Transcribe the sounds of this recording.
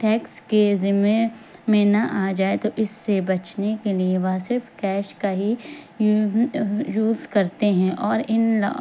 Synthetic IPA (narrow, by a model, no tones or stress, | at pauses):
ʈɛːkskezɪmemẽnɐʔaːd͡ʒaːet̪oʔɪsːebɐt͡ʃnekelieʋasɪɾfkɛːʃkaɦi | juːzkɐɾt̪eɦɛ̃ʔɔːɾɪnl